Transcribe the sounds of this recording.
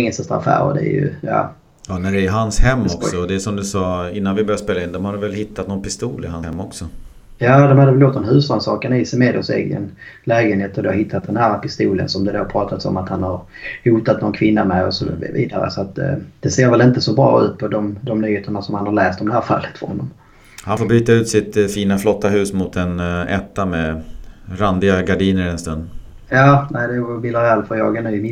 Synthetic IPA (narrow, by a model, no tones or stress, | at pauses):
ŋːəsast̪ɾa̰afæ̰ːɾə̰d̪ɛ̰æ̰ɾjɵ̰jɑ̰ː | jɑːnæɖɛɦanshɛmːɔksɔːd̪ɛːsɔmd̪ɵsɑːɪnːanvɪbœɾjaspeːlaɪnd̪ɔmhaɖ̪ɛvɛlhɪt̪ʰːat̪nɔnpʰɪst̪uːlɪhaɛmːɔksɔ | jɑːd̪ɔmhad̪əɛvɛljot̪ːɔnɦʉ̟ːsansɑːkənɪsɛmeːd̪ɔsɛ̰ːɡə̰nlɛːɡənheːt̪ɔd̪ɛaɦɪt̪ʰːat̪̚d̪ɛnhæːɾpɪst̪uːlə̰nsɔmd̪ɛd̪opʰɾɑːt̪at̪sɔ̰mat̪hanhaɾ | huːt̪at̪nɔnkʰvɪnːamɛɔsɔ̰vḭːd̪a̰ɾə̰sɔat̪d̪̥ɛseːɾvɛlɪnt̪əsɔbɾɑ̰ːʉ̟̰ːt̪̚pʰɔd̪ɔmd̪ɔmnyːheːt̪əɳasɔmhanhaɾɭɛːst̪d̪ɔmd̪ɛhæːɾfa̰lːət̪fɔɾhɔnːɔm | hanfoːbyːt̪aʉ̟ːt̪sɪt̪fiːnaflɔt̪ːaɦʉ̟ːsmʊt̪ɛnɛt̪ːamɛ | ɾand̪ɪɡaɡaɖiːnəɾɛnst̪ɵnd̪ | jɑːnæɪd̪ɛbɪlaɾalfɔjɑ̰ːɡanʉɪmɪ